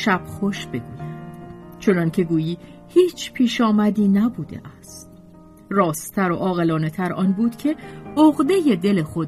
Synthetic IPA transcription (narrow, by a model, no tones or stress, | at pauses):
ʃæb̥χo̞ʃb̥e̞ɡuːjæd̪t͡ʃʰo̞nɒncʰe̞ɡuːjiː | hiːt͡ʃʰpʰiːʃɒːmæd̪iːnæbuːd̪e̞̰ʔæst̪ | rɒːst̪ʰæɾo̰ʔɒːɣe̞lɒːne̞t̪ʰæɾʔɒːnbuːd̪̥cʰe̞oɣd̪e̞je̞d̪e̞lexo̞d̪